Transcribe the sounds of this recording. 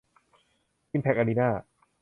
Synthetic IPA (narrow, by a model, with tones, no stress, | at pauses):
i˥˨pʰɛ˦˥k̚ʔa˧niː˦˧naː˥˩